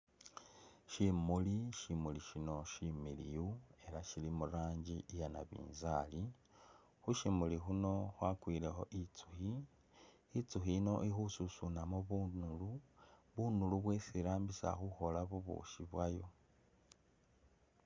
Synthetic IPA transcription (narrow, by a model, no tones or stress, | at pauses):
ʃimuliʃimuliʃino̞ʃimilḭjue̞ɾaʃilimuɾaːɲɟiʔijana̰βḭːnzali | xuʃimulixuno̞xwakwiːlexo̞ʔit͡su̥xiː | t͡suxino̞ʔixususunamoβunuluβunuluβwe̞siɾaːmbisa̰xuxo̞laβuβṵʃiβwajo̞